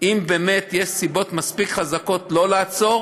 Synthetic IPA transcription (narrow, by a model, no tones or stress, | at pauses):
ʔimbeːmet̪jeʃsibo̞t̪maspikχazako̞tlo̞laːt͡so̞ʁ